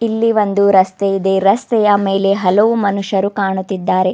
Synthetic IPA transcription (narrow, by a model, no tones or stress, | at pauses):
ilːiʋɐnd̪uɾɐst̪eid̪e̞ɾɐst̪ɛjɐmeːle̞ɦɐlɐʋumɐnuʂɐɾukaːɳut̪ːid̪ːaːɾe